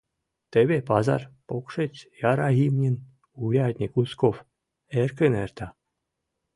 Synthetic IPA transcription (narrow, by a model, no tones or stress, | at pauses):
t̪eβʲepɑzɑ̰rpokʂet͡ɕjɑɾɑɣimnʲin | uɾʲɑt̪ʲnʲikuskof | erkɘnert̪ɑ